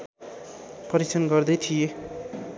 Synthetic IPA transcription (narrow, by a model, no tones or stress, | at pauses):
pʌɾisʰʌnɡʌrd̪ʌjt̪ʰije